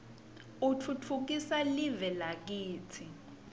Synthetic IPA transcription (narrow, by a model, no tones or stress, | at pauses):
ut͡fʰut͡fʰuk̬isalivɛlak̬iːt͡sʰi